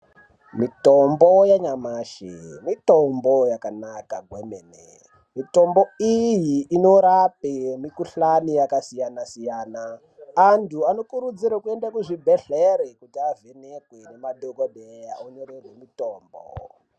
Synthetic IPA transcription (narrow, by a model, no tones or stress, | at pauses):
mitombojaɲamaːʃḛmitombojakanakaɡʱwemeːnḛ | mito̞mbo̞ijiːno̞ɾapemikuɬanijakasijanasijaːnaː | ntʰuano̞kuɾud͡ziɾakue̞ndakuʐibʱeɬeɾekutiavenekwene̞maɗokoɗejaunorerwemitoːmbo̰